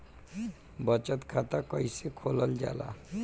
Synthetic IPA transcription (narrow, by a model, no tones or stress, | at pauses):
bʌt͡ʃət̪kʰat̪akɔjsekʰoləld͡ʒa̰la̰